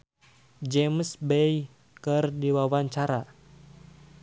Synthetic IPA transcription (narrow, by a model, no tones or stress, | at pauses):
d͡ʒɛmsbɛj | kɨrdiwawaɲt͡ʃaɾa